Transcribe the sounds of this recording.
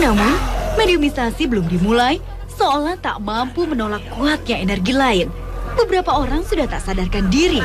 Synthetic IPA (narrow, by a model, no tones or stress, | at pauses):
namʊnmenimisasibəlʊmdimulaj | soːlaht̪a̰ʔmampumənolakːuat̪̚ɲaenɛrɡilaɪn | bəbəɾapaoɾaŋsudaht̪aʔsadarkandiɾi